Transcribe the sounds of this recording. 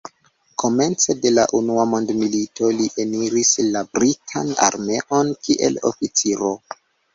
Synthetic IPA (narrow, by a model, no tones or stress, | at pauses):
kʰo̞me̞nt͡se̞de̞laʔunuamo̞ndmilito̞liʔe̞niɾislabɾitʰa̰na̰ɾme̞ʔo̞nkiʔe̞̰lo̞̰fit͡siɾo̞